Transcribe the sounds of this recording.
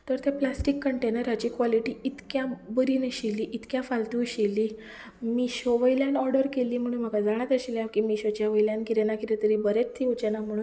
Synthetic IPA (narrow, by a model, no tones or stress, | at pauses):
t̪əɾt̪jeplasʈikːəɳʈenəɾat͡ɕikʋɔliʈiit̪kjabəɾineɕiliːʔit̪kjafalt̪uɕeliː | miɕoʋəjljanɔɾɖəɾkeliːm̤əɽ̃uːnm̤əkad͡zaɽ̃at̪əɕiljakimiːɕot͡ɕjaʋəjljãnkiɾenakiɾet̪əɾibəɾet͡st̪ʰːiːot͡ɕanam̤əɽ̃uːn